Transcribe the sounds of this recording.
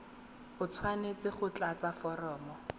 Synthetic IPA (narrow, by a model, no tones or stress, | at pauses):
χʊt͡sʰwanet͡sɪχʊt͡ɬat͡safɔrɔːmɔ